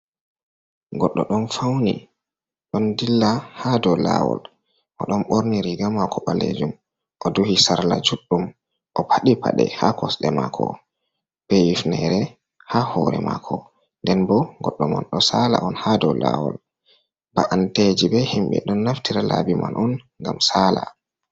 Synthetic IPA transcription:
ɡɔɗːɔɗɔnfawnḭ | ɗɔndilːahadɔlawɔ̰l | ʔɔɗɔnɓoɾniɾiɡamakʰɔɓalḛd͡ʒum | ʔɔduhisaɾlad͡ʒuɗːum | ʔɔpʰaɗipʰaɗɛ̰hakɔsɗɛmakʰɔ̰ | b̥ɛjifnɛɾɛ | hahɔɾɛmakʰɔ | ndɛnbɔɡɔɗːɔmɔ̰nɗɔsala̰ʔɔnhadɔlawɔ̰l | baʔanted͡ʒibɛhimɓɛ̰ɗɔnːaftiɾalabimanʔɔn | ŋɡamsaːla

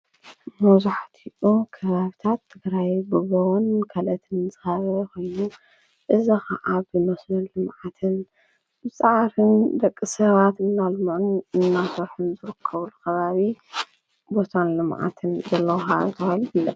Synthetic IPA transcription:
mɐzuħat̪ʰiʔukʰɐβaβit̪ʰat̪ʰːɨɡɾajbɨɡɐwunkʰɐlɐt̪ʰɨnzɨxɐβɐxɐjːu | ʔɨzixa̰ʔaβɨnosnɨnlɨmʕat̪ʰɨn | bɨt͡sʼaʕɾɨnd̪ɐkʼːɨsɐβat̪ɨnːalmɨʔunɨnːasɐɾħɨnzɨɾɨkʰːɐβulukʰɐβaβi | bo̞t̪ʰanlɨmʕa̰t̪ʰɨnzɐlːɐwxazɨt̪ʰɨxaniblːɐ

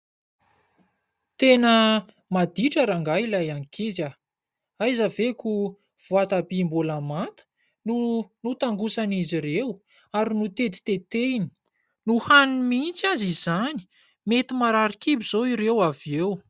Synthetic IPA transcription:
t̪enə | mad̪iʈ͡ʂəɾaŋɡailajaŋikiza | ajzaveku | v̥uat̪abimbulamant̪ə̥ | nunut̪aŋɡusaniziɾew | aɾinut̪et̪i̥t̪et̪eini̥ | nuhanimint͡sazizani̥ | met̪imaɾaɾikibiz̥oiɾewaview

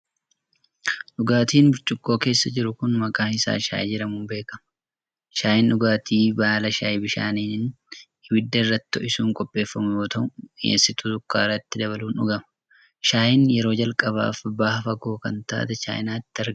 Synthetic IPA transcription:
ᶑʊɡaːt̪iːnbʊɾt͡ʃʼʊkʼːo̞ːke̞ːsːɐd͡ʒɪɾʊkʊnmɐkʼaːhɪsa̰ːʃa̰ːjd͡ʒɪɾɐmʊmbe̞ːkɐmɐ | ʃaːjɪnᶑʊɡaːt̪iːbaːlɐʃaːjɪbɪʃa̰ːniːnɪn | ɪwɪd̪ːɐɪrːɐt̪ɪ̥ɔʔɪsuːŋkʼɔpʼːe̞ːfːɐmʊjoːt̪ɐʊḛːsːɪt̪ʊt̪ʊkːa̰ːrɐt̪ːɪd̪ɐβɐluːnʊɡɐmɐ̥ | ʃaːjɪnjɛɾo̞ːd͡ʒɐlkʼɐβa̰ːfbaːhɐfɐɡo̞ːkɐnt̪a̰ːt̪ɐt͡ʃa̰ːjnaːɪt̪ːɪɐ

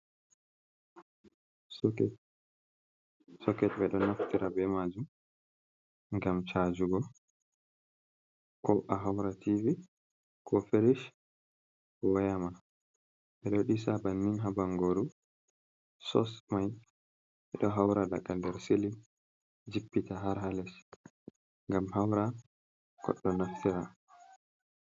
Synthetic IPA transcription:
sɔkɛtbɛɗɔnaftiɾabɛmad͡ʒum | ŋɡamt͡ʃad͡ʒuɡɔ | kɔʔaɦawɾatʰivi | kʰɔfeɾiʃ | wɔjama | ʔɛɗoɗisabanːinɦabaŋɡoɾu | sɔ̰smaj | ɛɗɔɦawɾada̰ɡandɛɾseli | d͡ʒipːitaɦaɾɦalɛs | ŋɡamhawɾa | kʰɔ̰ɗːɔnaftʰiɾa

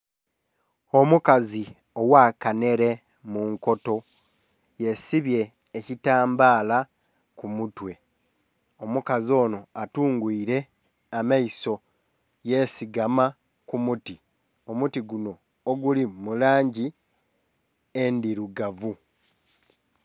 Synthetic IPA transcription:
o̞mukazi | o̞wakane̞ɾe̞ | muŋko̞to̞ | je̞siβje̞ː | citaːmbaːla | kumutwe̞ | omukazio̞ːno̞atuːŋɡwiːɾe̞ | amaiso̞ | je̞siɡama | kumuti | o̞mutiɡuno̞ː | ɡulimulaːɲɟi | endiɾuɡavu

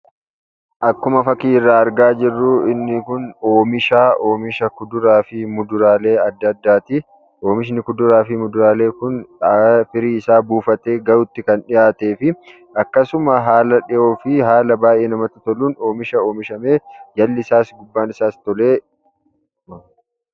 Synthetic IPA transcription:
ʔɐkːʊmɐfɐkiːɪrːaːɐɾɡaːd͡ʒɪrːuːɪnːɪkʊno̞ːmɪʃaːʔo̞ːmɪʃɐkʊd̪ʊɾaːfɪmʊd̪ʊɾaːle̞ːɐd̪ːɐd̪ːaːt̪ɪ | ʔo̞ːmɪʃ̬nɪkʊd̪ʊɾaːfɪmʊd̪ʊɾaːle̞ːkʊn | fɪɾiːɪsaːbuːfɐt̪e̞ːɡɐɾʊt̪ːɪkɐnᶑɪjaːt̪e̞ːfɪ | ɐkːɐsʊmɐɦaːlɐᶑɪjo̞ːfɪɦaːlɐbaːʔeːnɐmɐt̪ːʊt̪ɔluːno̞ːmɪʃɐo̞ːmɪʃɐme̞ːjɐlːɪsaːsɡʊbːaːnɪsaːst̪ɔleː

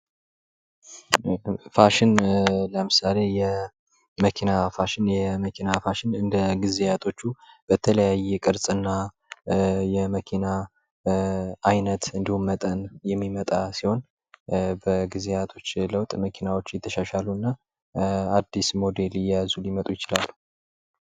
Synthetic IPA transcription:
faʃɪnləmɨsale̞jɛ | məkʰinafaʃɪnjɛməkʰinafaʃɪnɨnd̪əɡizejat̪ʰo̞t͡ʃːub̥ət̪ʰələjajːɛkʼɨɾsʼɨnːa | jɛməkʰina | jnət̪ɨnd̪ihumːət̪ʼənjɛmːimət̪ʼasiho̞n | bəɡɨzejat̪ʰo̞t͡ʃːləwt̪ʼməkʰinawo̞t͡ʃːjɛt̪ʰːəʃaʃaluɨnːa | ad̪ːismo̞d̪e̞lɪjazulimət̪ʼujɪt͡ʃɪlalːu

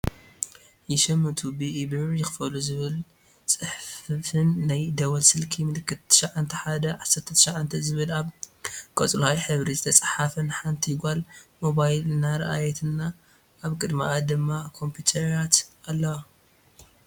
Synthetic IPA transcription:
jɪʃɐmːɐt̪ʰubiʔibɨjɪxɨfɐluzɨβɨl | t͡sʼɨħffɨnːajd̪ɐβɐlsɨlkʰimɨlɨkʰːɨt̪ʰːɨ̥ʃaʕant̪ʰɐħad̪ɐʕasɐɾt̪ʰːɐt̪ʰʃaʕant̪ʰɐzɨβɨlaβkʼɐt͡sʼlhajħɨβɾizɨt̪ʰɐt͡sʼħafɐnɨħant̪ʰiɡʷalmo̞βajlnaɾɐ̰ʔajɛt̪ʰɨnːa | ʔaβkʼɨd̪ma̰ʔad̪ɨmːakʰo̞mpʰut̪ʰɐɾjat̪alːɐwa

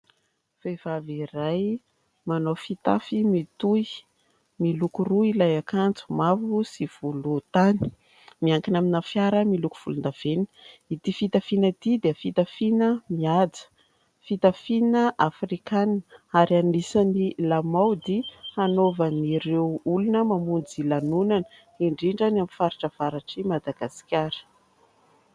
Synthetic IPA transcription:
v̥ev̥aviɾaj | manofit̪a̰fimit̪u | milukuruilajakant͡su̥mavusiv̥ulut̪ani̥ | miaŋkinaminafjaɾəmiluku̥v̥ulund̪av̥eni̥it̪ifit̪afinət̪id̪eəfit̪afinəmiad͡zə̥ | fit̪afinəʔafrikanaɾianisanilamawd̪ihanovəniɾewulunəmamund͡zilanunanə | iɳɖ͡ʐiɳɖ͡ʐanamifaɾiʈ͡ʂəv̥aɾaʈ͡ʂimad̪aɡ̥asi̥kʲaɾə̥

